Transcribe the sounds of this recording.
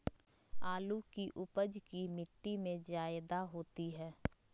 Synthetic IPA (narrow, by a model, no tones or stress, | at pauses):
aːlukiʔʊpəd͡ʒkimɪʈːimẽd͡ʒaːɪd̪aɦoːt̪iɦɛː